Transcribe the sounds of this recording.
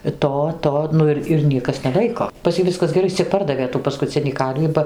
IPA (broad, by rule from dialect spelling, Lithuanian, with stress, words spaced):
ɪ ˈtoː ˈtoː ˈnʊ ɪr ɪr ˈnʲiɛkɐs nʲɛˈlˠɐɪkoː pɐs ˈjiː ˈʋʲɪskɐs ɡʲɛˈrɐɪ ˈɪs t͡sʲɛ ˈpɐrdɐʋʲeː tuː pɐskʊˈt͡sʲɪnʲiː ˈkɐrʲʋʲiː bɐ